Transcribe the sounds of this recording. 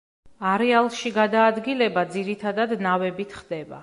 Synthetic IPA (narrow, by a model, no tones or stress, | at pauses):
aɾɛalˠʃiɡad̪aːd̪ɡilɛbad̪ziɾit̪ʰad̪ad̪navɛbit̪ʰχd̪ɛba̰